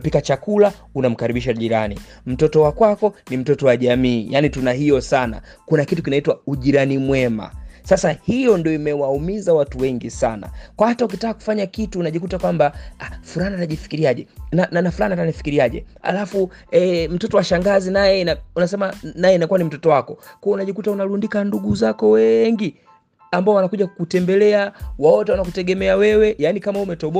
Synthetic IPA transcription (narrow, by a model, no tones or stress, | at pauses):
pikat͡ʃakula | unam̩kaɾiɓiʃaʄiɾa̰nḭ | m̩tɔtɔwakwakɔnim̩tɔtɔwaʄamiːja̰nitunahijɔsana̰ | kunakitukinaitwauʄiɾanimwɛma̰sasahijɔndiɔimɛwaumizawatuwɛŋɡisana̰kwahataukitakaku̥faɲakituːnaʄikutakwambaafulaniataʄifi̥kiɾiaʄɛ̰nananafulaniatanifi̥kiɾiaʄɛ̰ha̰lafuɛm̩tɔtɔwaʃaŋɡazinajɛaunasɛmanajɛinakuanim̩tɔtɔwakɔkujɔunaʄikutaunalundikanduɡuzakɔwɛŋɡi | ambaɔwanakuʄakutɛmbɛlɛawaɔtɛwanak̬utɛɡɛmɛawɛwɛjaːnikamaumɛtɔɓɔ